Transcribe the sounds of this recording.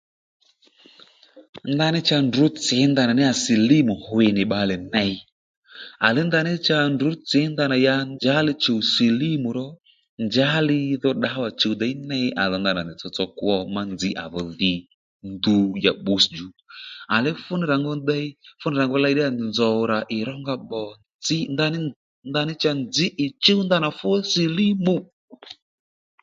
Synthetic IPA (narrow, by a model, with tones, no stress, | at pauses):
nd̪a˧nɪ˦t͡ʃa˧ndʊ˨˦t͡sɪ˨˦nd̪a˧na˨nɪ˦a˨si˨li˦mʊ˨hʊ˨ɪ˨nɪ˨ɓa˨lɛ˨nɛ˧˦i˧ | a˨lɪ˦nd̪a˧nɪ˦t͡ʃa˧ndʊ˨˦t͡sɪ˨˦nd̪a˧na˨ja˧nd͡ʒa˦lɪ˧t͡ʃo˨u˨se˨li˦mu˨ɾɔ˦ | nd͡ʒa˦lɪ˦ðɔ˧ɗa˨˦wa˨t͡ʃo˨˧wda˨i˦nɛ˦jʔa˨ðɔ˨˧nd̪a˨na˨nɪ˨t͡sɔ˧t͡sɔ˧kwɔ˧ma˦nd͡zɪ˦ʔa̰˨βɔ˨ðɪ˨ | nd̪u˧ja˨ɓu˨sd͡ʒu˨˦a˨lɛ˦fʊ˦nɪ˨ɾa˨ŋɡɔ˧da˦i˦fʊ˦nɪ˨ɾa˨ŋɡɔ˧la˧jɗɪ˦a˨nzɔ˨ɾa˨ʔɪ˨ɾɔ˦ŋɡa˧ɓɔ˨ | d͡zɪ˦nd̪a˧˦nɪ˦ | nd̪a˧nɪ˦t͡ʃa˧nd͡zɪ˦ʔɪ˨t͡ʃo˦wnd̪a˦na˨fu˦ɔ˦se˨li˦mu˨